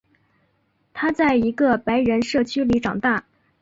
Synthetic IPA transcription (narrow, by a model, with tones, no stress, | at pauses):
t̪ʰa˥t͡sa˥˩ɪi˧˥ɡə˧pa˧˥ɪɻə˧˥nʂɤ˥˩t͡ɕʰy˥li˧˥ʈ͡ʂɑ˨˩ŋt̪a˥˩